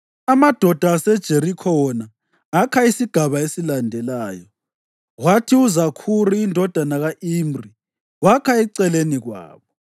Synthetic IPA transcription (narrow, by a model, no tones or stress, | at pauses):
amad̥ʱɔd̥ʱaːsɛd̥ʒ̥ʱeɾikʰɔɔnaː | kʰaisiɡ̥ʱaβaesilandʱɛlaːjɔ | ɣwatʰiuzakʰuriːndʱɔd̥ʱanaɣaʔimri | wakʰaɛǀɛleniɣwa̰ːβɔ